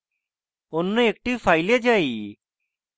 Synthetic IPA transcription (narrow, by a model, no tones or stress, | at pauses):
onːəek̚ʈifajled͡ʒaiː